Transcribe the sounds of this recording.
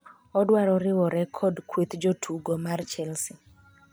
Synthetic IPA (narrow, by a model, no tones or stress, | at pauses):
ɔdwaɾɔɾɪwɔɾɛkʰɔdkwet̪d͡ʒotʰuɡɔmart͡ʃɛlsi